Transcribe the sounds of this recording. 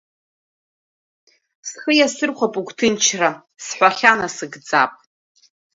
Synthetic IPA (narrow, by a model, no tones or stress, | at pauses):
sχəjasɨrχʷapʼukʷʰʼtʰɨnt͡ʃʰra | sħʷᶣaχʲanasɨɡd͡za̰pʼ